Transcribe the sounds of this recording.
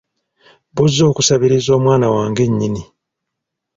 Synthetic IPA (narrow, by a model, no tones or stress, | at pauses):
buzːo̞ːkusaβiɾizo̞ːmwaːnawaːŋɡe̞ɲːini